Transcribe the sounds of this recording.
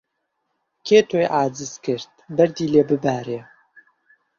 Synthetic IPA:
kʰeːt̪ʰojʔaːzɨzkɨɾt̪̚bɛɾd̪iːleːbɨbæːɾeː

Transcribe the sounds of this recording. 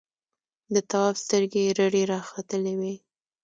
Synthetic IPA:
d̪ət̪awɑfst̪əɾɡeɾaɽeɾɑxat̪əlewe

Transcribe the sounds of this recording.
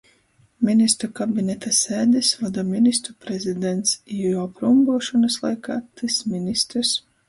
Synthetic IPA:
minist̪ɾukabʲinɛt̪aseːd̪ɛsvad̪ɔminist̪ɾupɾɛzid̪ɛnt̪sijɔpɾumɡuɔʃɔnaslˠa̰jka̰ːt̪ɨsminist̪ɾs

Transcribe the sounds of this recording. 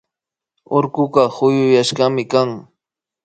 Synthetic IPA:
oɾkʊɢɑhʊjʊjaʃɢɑmɪkaŋ

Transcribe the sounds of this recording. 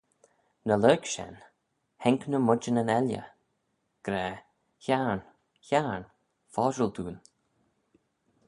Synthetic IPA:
nəløːɡʃɛ̰n | hɛŋknəmʊd͡ʒənənɛljə̰ | ɡ̥ɾɛː | çaɹn | çaɹn | fɑːʒəld̪ṵːn

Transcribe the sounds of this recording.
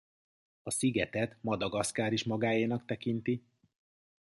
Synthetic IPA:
ɒsiɡɛt̪ɛt̪mɒd̪ɒɡɒskaːɾiʃmɒɡaːjiːnɒkt̪ɛkint̪i

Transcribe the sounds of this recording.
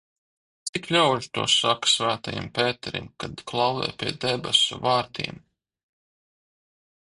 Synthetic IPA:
t̪ssiklʲawʎt̪ṵɔsaksvæːt̪ajḭmpeːt̪ɛɾḭmkad̪klˠɑwvɛ̰jpʲiɛd̪ɛbɛ̰sṵvaːɾt̪ʰḭːm

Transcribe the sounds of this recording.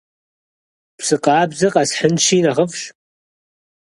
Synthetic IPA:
psɨqʼɑːbzɐqʼɑsħənʃiːnaʁəfʃ

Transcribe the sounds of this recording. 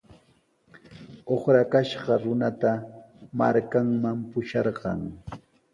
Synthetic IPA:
oχɾakaʃɢɑɾʊnat̪ama̰ɾkaŋmampʊʃɑɾɢɑ̰ŋ

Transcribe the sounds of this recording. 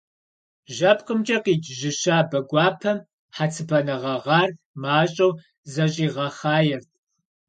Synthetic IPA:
ʒɐp̚ʰqəmt͡ʃʼɐqiːd͡ʒʒɪʃaːbɐɡʷɑːpʰɐm | ħat͡sʰɨbʰɐnɐʁɐʁɑːr | maːɕʼɐw | zɐɕʼiːʁɐχaːjɛrtʰ

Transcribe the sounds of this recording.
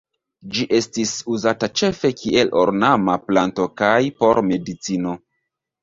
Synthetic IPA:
d͡ʒiʔe̞stisuzatat͡ʃe̞fe̞kʰiʔe̞lo̰ɾnamaplanto̞kajpo̞ɾme̞dit͡sino̞

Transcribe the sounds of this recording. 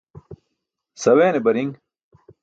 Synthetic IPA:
sɐweːnebɐɾiŋ

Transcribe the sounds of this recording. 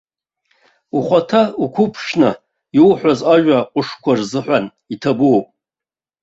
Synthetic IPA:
uχʷatʰaukʷʰʊpʰʂna | iwħʷazaʒᶣaqʷʼʊʂkʷʰarzɨħʷan | itʰabuopʼ

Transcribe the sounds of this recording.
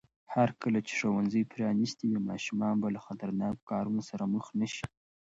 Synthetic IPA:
haɾkəlat͡ʃe̥ʂowanzəjpɾjɑnist̪iwimɑ̰ʃumɑnbalaxat̪aɾnɑkːɑɾunosaɾaməxnaʃi

